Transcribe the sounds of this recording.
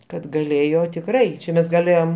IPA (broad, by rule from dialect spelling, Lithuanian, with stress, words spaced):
kɐt ɡɐˈlʲeːjoː tʲɪkˈrɐɪ t͡ʃʲɛ ˈmʲɛs ɡɐˈlʲeːjoːm